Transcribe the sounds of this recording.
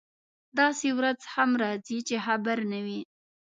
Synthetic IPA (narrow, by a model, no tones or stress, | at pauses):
d̪ɑsewɾad͡zhamɾɑzit͡ʃehabaɾnawi